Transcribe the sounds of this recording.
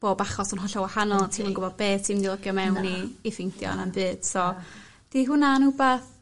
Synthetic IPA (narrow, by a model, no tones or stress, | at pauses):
b̥oːbaχɔsənɦɔɬɔwahanɔlˠtʰiːmənŋɡʊbɔd̚beːtʰiːmdilˠəɡjɔmɛwnːiːfɪndjɔ̰nambɨːd̥sɔ | d̥iɦʊnanubaθ